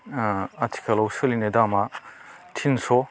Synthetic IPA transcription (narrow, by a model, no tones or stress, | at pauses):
ɐtʰi̥kʰalɔwsɯlinedamatʰinsɔ